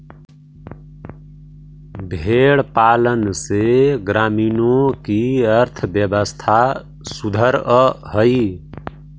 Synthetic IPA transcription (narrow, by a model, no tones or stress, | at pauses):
bʱeɽpalənseɡɾaminokiəɾt̪ʰəbjəbəst̪ʰa | sud̪ʱəɾəhəj